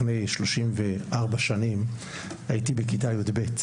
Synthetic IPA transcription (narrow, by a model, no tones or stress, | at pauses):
nejʃlo̞ʃimveʔaʁbaʃanim | ajitibekitajudbe̞t